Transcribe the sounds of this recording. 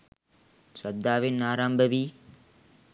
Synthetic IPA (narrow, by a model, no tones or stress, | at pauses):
sɐd̪ːaːʋenːaːɾambəʋiː